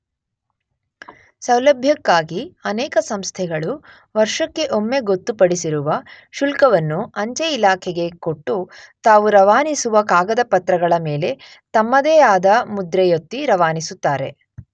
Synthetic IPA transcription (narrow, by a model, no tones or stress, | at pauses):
sɐwlɐbʱjɐkːaːɡiɐnɛːkɐsɐmst̪ʰɛɡɐɭu | ʋɐɾʂɐkːe̞ʔomːe̞ɡot̪ːupɐɽisiɾuʋɐ | ʃulkɐʋɐnːuɐɲt͡ʃeilaːkʰɛɡe̞ko̞ʈːut̪aːʋuɾɐʋaːnisuʋɐkaːɡɐd̪ɐpɐt̪ɾɐɡɐɭɐmeːle̞ | t̪ɐmːɐd̪ɛːaːd̪ɐmud̪ɾɛjot̪ːiɾɐʋaːnisut̪ːaːɾe̞̰